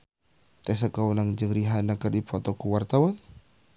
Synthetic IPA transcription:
t̪ɛs̬akaunaŋd͡ʒəŋɾiɦanakərdipʰɔt̪ɔkuwart̪awan

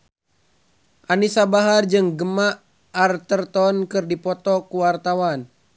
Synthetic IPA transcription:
ʔanisabaɦard͡ʒɨŋɡəmaʔː | rt̪ərt̪ɔnkɨrdipɔt̪ɔkuwart̪awan

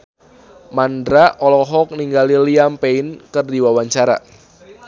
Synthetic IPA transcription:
mandɾaɔlɔɦɔk̚niŋɡaliliampeɪnkɨrdiwawaɲt͡ʃaɾa̰

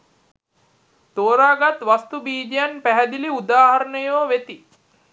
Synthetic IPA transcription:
t̪oːɾaːɡat̪ʋast̪ubiːd͡ʒijanpæɦæd̪iliud̪aːɦaɾənəjoːʋet̪i

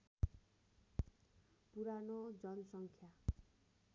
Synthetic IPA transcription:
puɾanod͡zʌnʌsʌŋkʰja

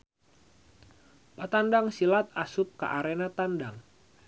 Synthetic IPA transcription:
pat̪andaŋsilat̪̚asup̚ka̰ʔaɾenat̪andaŋ

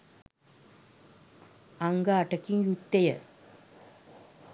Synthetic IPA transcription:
ɐŋɡaaʈɐkːiŋjut̪ːɐjɐ̰

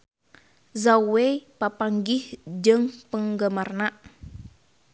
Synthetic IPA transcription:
zawepapaŋɡɪhd͡ʒəŋpəŋɡamarnaʔ

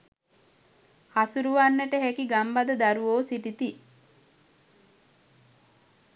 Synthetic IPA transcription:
hasuɾuʋanːəʈəɦekiɡambad̪əd̪aɾuʋoːsiʈit̪i

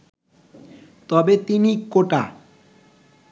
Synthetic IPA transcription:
t̪ɔbet̪inikoʈa

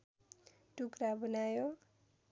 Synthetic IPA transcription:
ʈukɾabʌnajo

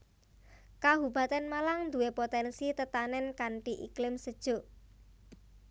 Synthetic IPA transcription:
kaɦuba̤t̪anmalaŋnd̪uwepot̪ɛnsit̪ət̪anɛnkaɳʈiʔiklɪmsəd̥ʒ̥o̤

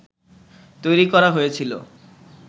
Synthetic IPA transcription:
t̪ojɾikɔɾaɦojet͡ɕʰilo̰

